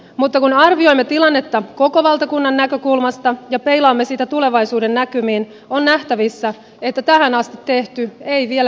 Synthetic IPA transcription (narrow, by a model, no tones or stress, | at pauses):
mut̪ːɑkunɑrʋio̞jmːet̪ilɑnːet̪ːɑko̞ko̞ʋɑlt̪ɑkunːɑnːækø̞kulmɑst̪ɑjɑpe̞jlɑːmːesiːt̪æt̪ule̞ʋɑjsuːde̞nːækymiːn | onːnæht̪æʋisːæ | et̪ːæt̪æhænɑst̪it̪ːe̞ht̪yejʋiel